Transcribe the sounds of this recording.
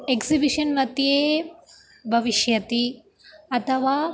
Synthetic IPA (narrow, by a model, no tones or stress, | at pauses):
eksibiʂɐnʋɐt̪jeː | bʱɐʋiʃjɐt̪i | ɐt̪ʰɐʋaː